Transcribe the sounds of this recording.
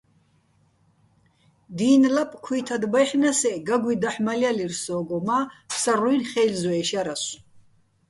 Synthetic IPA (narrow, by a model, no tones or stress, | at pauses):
d̪iːnlapʼkʰwiːt̪ʰad̪bajħnasɛɡaɡʷwid̪aħmalialirsɔːɡɔmasaruinχɛjlzɔɛʃaɾas